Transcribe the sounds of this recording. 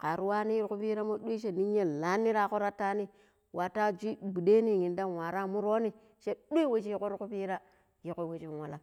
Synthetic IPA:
ka˨ɾu˦wa˦ni˦ji˦ku˦pi˦ɾa˦mo˦ɗu˦ʃe˦˨ni˦ɲ˦e˦la˦nːi˦ɾa˦ko˦ɾa˦tːa˦ni˦ | wa˨ta˦˨d͡ʒʷi˦˨ɡ͡bu˨de˦ni˦ŋi˨nda˦wa˨ɾa˦mu˦ɾo˦ni˦ | ʃe˦ɗe˦we˦t͡ʃi˦ko˦ɾku˦pi˦ɾa˦ | ji˨˦ko˦we˨t͡ʃi˦˨wa˨la˨

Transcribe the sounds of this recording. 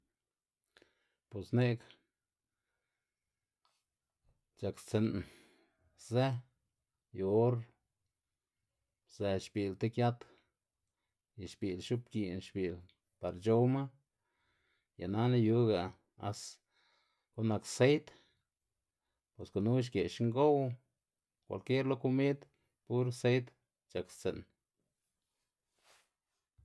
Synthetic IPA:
po˨sne˦k | t͡ʃa˧kt͡se˧n | ze˦ | jo˧o˦ɾ | z̥e˧ʃbi˨lt̪e˦kja˦t̪ | ja˨ʃbi˨lʃu˦p̚ki˧˨nʃbi˨l | pa˨˧ɾt͡ʃo˦wma˦ | ja̰˨na˦na˦ju˦ɡa˨ | a̰˧s | ko˦na˧kse˦jt̪ | pwe˨sko˨nu˦ʃ̬ɡe˨ʃŋɡo˦w | kʷa̰˨lke˦ɾlo˧ku˦mi˦d̪ | pu˦ɾse˦jt̪ | t͡ʃa˨kst͡sḛ˨n

